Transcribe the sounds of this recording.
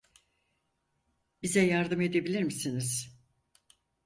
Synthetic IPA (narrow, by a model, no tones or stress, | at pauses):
bizɛjaɾd̪ɯme̞d̪ebilʲiɾmisiniz̥